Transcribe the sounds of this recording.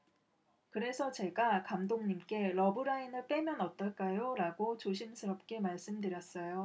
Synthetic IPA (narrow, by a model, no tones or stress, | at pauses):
kɯɾe̞sʰʌt͡ɕe̞ɡakamdoŋɲimk͈e̞ɾʌbɯɾainɯɭp͈e̞mjʌnʌt͈ʌɭk͈ajoɾaɡot͡ɕoɕʰimsʰɯɾʌp̚k͈e̞maɭs͈ɯmdɯɾjʌs͈ʌjo